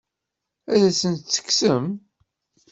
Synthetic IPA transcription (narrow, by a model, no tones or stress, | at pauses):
æðæsənt̪t͡sːə̥ksəm